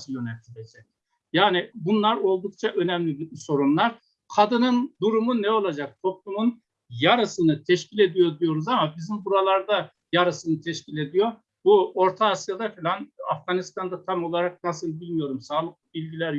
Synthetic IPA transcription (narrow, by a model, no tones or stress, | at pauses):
sjønɛlʲt̪ʰidʲɛd͡ʒɛ | jaːnibunlˠaɾo̞lˠd̪uk̚t͡ʃʰaʔø̞næmlʲibso̞ɾumlˠaɾ | kʰad̪ɯnɯnd̪uɾumunɛo̞lˠad͡ʒak̚t̪ʰo̞plˠumun | jaɾɯsɯnɯt̪ʰɛʃcʰilʲe̞d̪ijo̞d̪ijo̞ɾuzamabizimbuɾalˠaɾd̪a | jaɾɯsɯnɯt̪ʰɛʃcʰilʲe̞d̪ijo̞ | buo̞ɾt̪ʰaːsjad̪afilʲanafɡ̥anist̪ʰand̪at̪ʰamo̞lˠaɾak̚nasɯlˠbilʲmijo̞ɾumsaːlˠɯk̚ˠbilʲɟilʲæɾ